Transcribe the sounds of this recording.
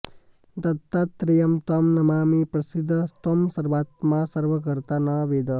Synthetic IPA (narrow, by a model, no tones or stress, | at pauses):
t̪ɐt̪ːat̪ːɾijɐmt̪ɐmnɐmaːmipɾɐsid̪ʱːt̪ɐmsɐɾʋaːt̪masɐɾʋək̬əɾt̪anɐʋed̪ə